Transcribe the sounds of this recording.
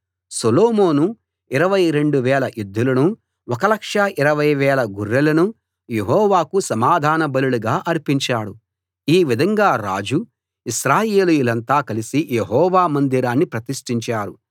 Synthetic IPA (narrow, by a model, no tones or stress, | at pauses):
sɐloːmoːnu | iɾɐʋɐjɾe̞ɳɖuʋɛːlɐjud̪ʱːulɐnu | ɔkɐlɐkʂɐʔiɾɐʋɐjʋɛːlɐɡuɾːɐlɐnu | jeɦɔːʋaːkusɐmaːd̪ʱaːnɐbɐluluɡaːʔɐɾipiɲt͡ʃaːɽu | iːʋid̪ʱɐŋɡaːɾa̰ːd͡ʒu | iʃɾaːjeːlujulɐnt̪aːkɐlisijeɦɔːʋaːmɐnd̪iɾaːnːipɾɐt̪iʂʈiɲt͡ʃaːɾu